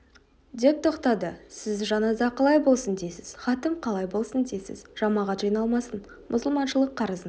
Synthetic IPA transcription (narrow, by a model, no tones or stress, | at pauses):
d̪e̞p̚t̪ʰo̞qt̪ɑd̪əsɪzʒɑnɑzɑqʰɑlˠɑjbo̞lˠsənd̪ejsɪz̥χɑt̪əmqʰɑlˠɑjbo̞lˠsənd̪e̞jsɪ̰zʒ̥ɑmɑʁɑt̪ʒɑjnɑlˠmɑsən | mʔʊ̰səlˠmɑnʃəlˠəqʰːɑɾəzən